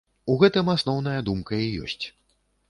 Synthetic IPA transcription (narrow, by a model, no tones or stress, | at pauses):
uɣɛt̪ɨmasnɔwn̪ɐjɐd̪umkɐijɔ̰sʲt͡sʲ